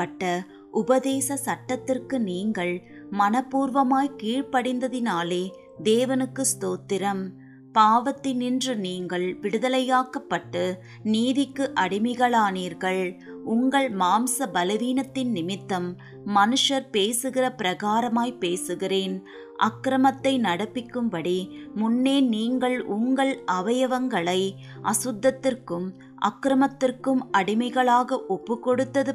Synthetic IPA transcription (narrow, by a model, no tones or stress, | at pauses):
ɐʈːɐ | ʔʊbɐðeːsɐsɐʈːɐt̪ːɪrkɯniːŋɡɐɭ | mɐnɐpːuːɾʋɐmaːjkiːɻpɐɽɪnd̪ɐðɪnaːleː | d̪eːʋɐnɯkːɯst̪oːt̪ːɪɾɐm | paːʋɐt̪ːɪnɪndrɯniːŋɡɐɭʋɪɽɯðɐlɐjaːkɐpːɐʈːɯ | niːðɪkːɯʔɐɽɪmɐɣɐɭaːniːɾɣɐɭ | ʊŋɡɐɭmaːmsɐbɐlɐʋiːnɐt̪ːɪnnɪmɪt̪ːɐmː | ɐnɯʂɐɾpeːsɯɣɪrɐpɪɾɐɣaːɾɐmaːjpeːsɯɣɪreːn | ʔɐ̰kːɾɐmɐt̪ːɐɪnɐɽɐpːɪkːɯmpɐɽimʊnːeːniːŋɡɐɭʔʊŋɡɐɭɐʋɐjɐʋɐŋɡɐɭɐɪ | ʔɐ̰sʊd̪ːɐt̪ːɪrkɯm | ʔɐ̰kːɾɐmɐt̪ːɪrkɯmɐɽɪmɐɪɣɐɭaːɣɐʔɔpːɯkːɔɽɯt̪ːɐðɯ